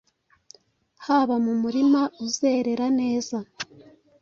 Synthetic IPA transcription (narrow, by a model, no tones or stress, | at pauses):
haːβamumuɾimauzeɾe̞ɾane̞ːza